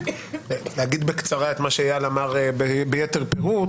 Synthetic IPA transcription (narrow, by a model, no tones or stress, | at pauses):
lehaɡid̪bekt͡saʁae̞t̪maʃeajalamaʁebebejeteʁpeʁu